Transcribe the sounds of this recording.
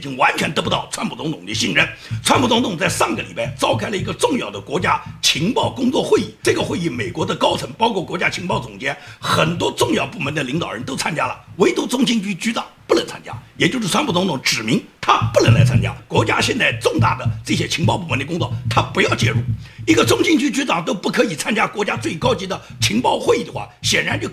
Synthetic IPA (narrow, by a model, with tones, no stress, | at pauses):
i˧˥ŋwa˧˥nt͡ɕʰɥɛ˧˥nt̪ɤ˧˥pu˧t̪ɑ˥˩ʊʈ͡ʂʰwa˥npʰu˨˩t͡sʊ˧˥ŋt̪ʰʊ˨˩ŋd̪ə˧ɕi˥˩nɻə˥˩nʈ͡ʂʰwa˥npʰu˨˩t͡sʊ˧˥ŋt̪ʰʊ˨˩ŋt͡sa˥˧ɪʂa˥˩ŋɡə˩li˨˩pa˥ɪt͡sɑ˥ʊkʰɪlə˨i˧˥ɡə˧ʈ͡ʂʊ˥˧ŋjɑ˥˩ʊd̪ə˩kwɔ˧˥t͡ɕja˥t͡ɕʰi˧˥ŋpɑ˥˩ʊkʊ˥ŋt͡swɔ˥˧xwe˥˧ɪi˥˩ʈ͡ʂɤ˥˩ɡə˩xwe˥˧i˥˩me˨˩ɪkwɔ˧˥d̪ə˧kɑ˥ʊt͡sʰɤ˧˥ŋpɑ˥ʊkʰwɔ˥˩kwɔ˧˥t͡ɕja˥t͡ɕʰi˧˥ŋpɑ˥˩ʊt͡sʊ˨˩ŋt͡ɕjɛ˥nxə˨˩nt̪wɔ˥ʈ͡ʂʊ˥˧ŋjɑ˥˧ʊpu˥˩mə˧˥nd̪ə˧˨li˧˥ŋt̪ɑ˨˩ʊɻə˧˥nt̪o˥ʊt͡sʰa˥nt͡ɕja˥lə̰˨we˧˥ɪt̪u˧˥t͡sʊ˥ŋɕi˥˧ŋt͡ɕy˥t͡ɕy˥t̪ɑ˨˩˦ŋpu˥˩lə˧˥nt͡sʰa̰˥nt͡ɕja̰˥jɛ˨˩t͡ɕjo˥˧ʊʂ̬ɻ̩ʰ˥˩wa˥npʰu˥˩t͡sʊ˧˥ŋt̪ʰʊ˧˥ŋʈ͡ʂɻ̩˨˩mi˧˥ŋt̪ʰa˥pu˥˩lə˧˥nla̰˧˥ɪt͡sʰa̰˥nt͡ɕja̰˥kwɔ˧˥t͡ɕja̰˥ɕjɛ˥˧nt͡sa˥˧ɪʈ͡ʂʊ˥˧ŋt̪a̰˥˩d̪ə˩ʈ͡ʂɤ˥˩ɕjɛ˥t͡ɕʰi˧˥ŋpɑ˥˧pu˥˩mə˧˦nd̪ə˧kʊ˥ŋt͡swɔ˥˩t̪ʰa˥pu˧˥jɑ˥˧ʊt͡ɕjɛ˥˧ɻu˥˩i˧˥ɡə˧t͡sʊ˥ŋɕi˥˩ŋt͡ɕy˥t͡ɕy˥t̪ɑ˨˩ŋt̪̬o˥ʊpu˥˩kʰɤ˧˥i˨˩t͡sʰa˥nt͡ɕja˥kwɔ˧˥t͡ɕja˥t͡swe˥˩ɪkɑ˥ʊt͡ɕi˧˥d̪ə˨t͡ɕʰi˧˥ŋpɑ˥˧ʊxwe˥˧ɪi˥˩d̪ə˩xwa̰˥˩ɕjɛ˨˩nɻa˧˥nt͡ɕjo˥˧ʊ